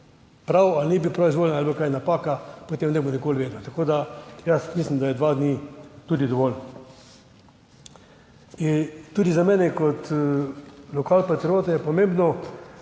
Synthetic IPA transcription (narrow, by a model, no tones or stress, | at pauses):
pɾawalnibipɾawizʋoːljɛnalbokajnapaːkapot̪emnɛbonikoːlʋeːd̪not̪akoːd̪ajasmislimd̪ajɛd̪ʋad̪niːt̪uːd̪id̪ɔʋɔln | int̪ud̪izamɛːnɛkɔt̪ | lɔkaːlpat̪ɾijoːt̪ajɛpɔmembnɔ